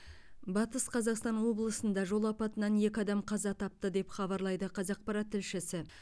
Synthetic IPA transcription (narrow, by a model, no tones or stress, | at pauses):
bɑt̪əsqʰɑzɑqst̪ɑnwo̞blˠəsənd̪ɑʒo̞lˠɑpɑt̪ənɑnje̞kʲɪɑd̪ɑmqʰɑzɑt̪ʰɑp̚t̪əd̪e̞pχɑbɑɾlˠɑjd̪əqʰɑzɑq̚pɑɾɑt̪ʰːɪlʃɪsɪ